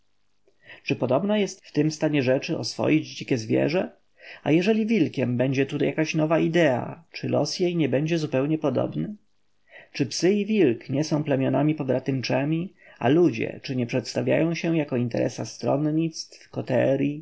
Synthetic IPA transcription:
t͡ʂɘpɔd̪ɔbnajɛst̪ft̪ɘmst̪aɲɛʐɛt͡ʂɘʔɔ̰sfɔ̰jid͡ʑd͡ʑikʲɛzvʲjɛ̰ʐɛ | a̰jɛʐɛlʲivʲilkʲɛmbɛɲd͡ʑɛt̪ut̪ajakaɕnɔvaʔid̪ɛa̰t͡ʂɘlɔ̰sjejɲɛbɛɲd͡ʑɛzupɛwɲɛpɔd̪ɔ̰bnɘ | t͡ʂɘpsɘivʲilkɲɛsɔ̃w̃plɛmʲjɔnamʲipɔbɾat̪ɘmt͡ʂɛmʲi | a̰lud͡ʑɛ̰t͡ʂɘɲɛpʂɛt̪st̪avʲja̰jɔ̃w̃ɕɛjakɔint̪ɛ̰ɾʔɛ̰sast̪ɾɔ̰nɲit̪st̪fkɔt̪ɛɾʲji

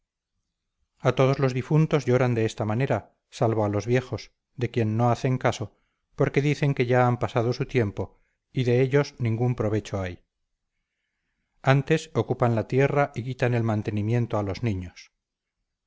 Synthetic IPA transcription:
at̪o̞ð̞o̞zlo̞zðifunt̪o̞zʝo̞ɾand̪e̞est̪amane̞ɾa | salβo̞alo̞zβje̞xo̞s | d̪e̞kje̞nːo̞aθe̞ŋkaso̞ | po̞ɾke̞ðiθe̞ŋke̞ʝaampasað̞o̞sut̪je̞mpo | iðe̞eʎo̞znĩŋɡumpɾo̞β̞e̞t͡ʃo̞aj | ant̪e̞so̞kupanlat̪je̞raʔikit̪ane̞lmãnt̪e̞nimjẽ̞nt̪oalo̞znĩɲo̞s

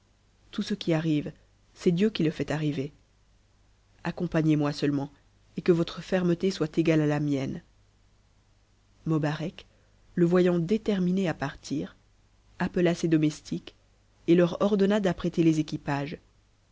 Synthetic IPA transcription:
t̪usəkʲiaʁiv | sɛd̪jøkʲiləfɛt̪aʁive | akɔ̃paɲemwasəlmɑ̃ | ekəvɔt̪χəfɛʁmət̪eswat̪eɡalalamjɛn | mɔbaʁɛk | ləvwajɑ̃d̪et̪ɛʁmineapaʁt̪ʰiːʁ | apəlased̪ɔmɛst̪ʰik | elœʁɔʁd̪ɔnad̪apχet̪elezekʲipaːʒ

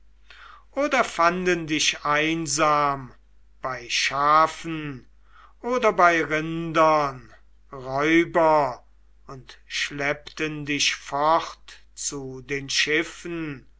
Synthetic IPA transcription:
ʔoːdɐfandəndɪʃaɪnzaːm | b̥aɪʃaːfn̩ | ʔoːdɐbaɪʁɪndɐn | ʁɔʏbɐ | ʊntʃlɛpt̪əndɪʃfɔχt | t͡sudeːnʃɪfn

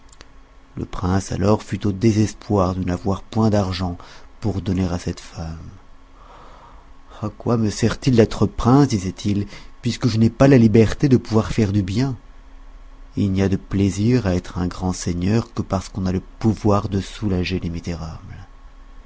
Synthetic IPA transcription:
lə̰pχɛ̃sa̰lɔʁfyt̪od̪ezɛspwaʁd̪ənavwaʁpwɛ̃d̪aʁʒɑ̃puʁd̪ɔneʁasɛt̪fam | akwaməsɛʁt̪ild̪ɛt̪χəpχɛ̃sd̪izɛt̪ʰilpɥiskəʒənɛpalalibɛʁt̪ed̪əpuvwaʁfɛʁd̪ybjɛ̃ | ilniad̪əpleziʁaɛt̪χɛ̃ɡʁɑ̃seɲœʁkəpaʁsə̥kɔ̃naləpuvwaʁd̪əsulaʒelemizeʁabl

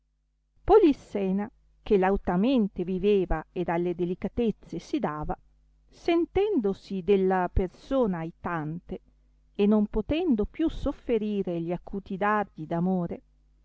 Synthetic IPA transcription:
polisːɛːna | k̟elawt̪ament̪eviveːvaed̪alːed̪elikat̪et̪sːesid̪aːva | sent̪ɛnd̪osid̪elːapersoːnaːjt̪ant̪e | enːompot̪ɛnd̪opjusofːeɾiːɾeʎiakːuːt̪id̪ard̪id̪amoːɾe

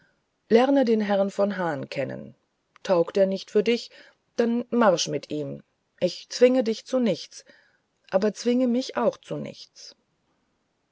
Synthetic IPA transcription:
lɛʁnədeːnɦɛʁnfɔnɦaːnkʰɛnə̰n | tʰaʊkteːɐnɪçtfyːɐdɪç | d̥anmaʁʃmɪtʰʔiːm | ʔɪçt͡sv̥ɪŋədɪçt͡sunɪçt͡s | ʔaːbɐt͡sv̥ɪŋəmɪçʔaʊxt͡sunɪ̰çt͡s

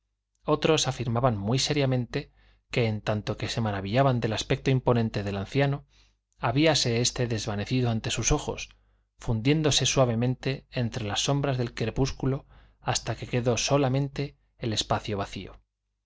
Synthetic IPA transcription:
o̞t̪ɾo̞safiɾmaβanmwijse̞ɾjamẽ̞nt̪e̞ | ke̞ːnt̪ant̪o̞ke̞se̞maɾaβiʎaβand̪e̞laspek̚t̪oimpo̞nent̪e̞ðe̞lan̟θjano̞ | aβiase̞est̪e̞ðe̞zβane̞θiðoant̪e̞suso̞xo̞̰s | fund̪je̞nd̪o̞se̞swaβ̞e̞mẽnt̪e̞ːnt̪ɾe̞lasːo̞mbɾazðe̞lkɾe̞puskulo̞ | ast̪ake̞ke̞ðo̞so̞lamẽ̞nt̪e̞ː | le̞spaθjo̞βaθio̞̰

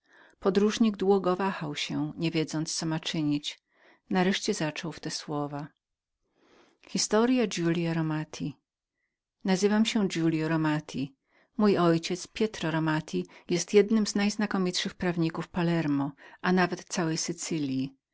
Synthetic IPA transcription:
pɔd̪ɾuʐɲiɡ̚d̪wuɡɔvaxawɕɛɲɛvʲjɛd̪zɔnt̪st̪sɔmat͡ʂɘɲit͡ɕ | naɾɛʂt͡ɕɛzat͡ʂɔwft̪ɛswɔva | xʲist̪ɔɾjad͡ʑulʲjaɾɔmat̪ʲʰi | nazɘvamɕɛd͡ʑulʲjɔɾɔmat̪ʲʰi | mujɔjt͡ɕɛt̪spʲjɛt̪ɾɔɾɔmat̪ʰʲijɛst̪jɛd̪nɘmznajznakɔmʲitʂɘxpɾavɲikufpalɛɾmɔʔanavɛt̪t̪sawɛjsɘt̪sɘlʲji

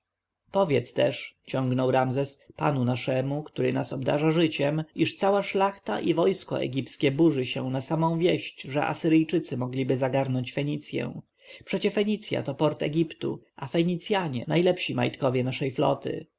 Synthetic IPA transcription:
pɔvʲjɛt̪st̪ɛʂt͡ɕɔ̃ŋɡnɔwɾamzɛspa̰nunaʂɛmukt̪uɾɘnasɔbd̪a̰ʐaʐɘt͡ɕɛmiʂt̪sawaʂlaxt̪a̰ʔivɔjskɔ̰ʔɛ̰ɡʲiptskʲɛbuʐɘɕɛ̰w̃nasamɔ̃w̃vʲjɛɕt͡ɕʐɛʔa̰sɘɾɘjt͡ʂɘt̪sɘmɔɡlʲibɘzaɡaɾnɔɲt͡ɕfɛɲit̪sʲjɛ̰w̃ | pʂɛt͡ɕɛfɛɲit̪sʲja̰t̪ɔpɔɾt̪ɛ̰ɡʲipt̪ṵafɛɲit̪sʲjaɲɛnajlɛpɕima̰jt̪kɔvʲjɛnaʂɛjflɔ̰t̪ɘ̰

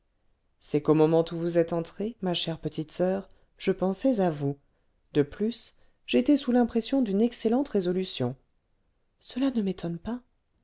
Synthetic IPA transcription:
sɛkomɔmɑ̃t̪uvuzɛt̪ɑ̃t̪χemaʃɛʁpət̪ʰit̪sœːʁ | ʒ̥əpɑ̃sɛzavu | d̪əplys | ʒet̪ɛsulɛ̃pχesjɔ̃d̪ynɛkselɑ̃t̪ʁezɔlysjɔ̃ | səlanəmet̪ʰɔnpa

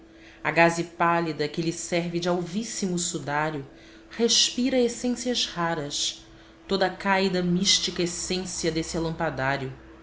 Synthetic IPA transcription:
ɐɡazipalid̪ɐkɪlɪsɛɾvɪd͡ʒɪawvisimʊsud̪aɾjʊ | heʃpiɾɐesẽsiɐzhaɾɐs | t̪od̪ɐkajd̪ɐmiʃt͡ʃikɐesẽsiɐd̪esɪalɐ̃mpad̪aɾjʊ

